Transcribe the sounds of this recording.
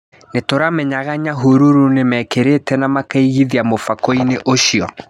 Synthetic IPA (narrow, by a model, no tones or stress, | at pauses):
netoɾamɛɲaɣaɲaɦuɾuɾunemɛkeɾetɛnamakaiɣiðiamofakoineʔoɕiɔ